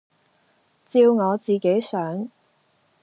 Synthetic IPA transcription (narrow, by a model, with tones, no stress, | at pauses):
t͡siː˧wŋɔː˨˧t͡siː˨ke˨˥jsœː˨˥ŋ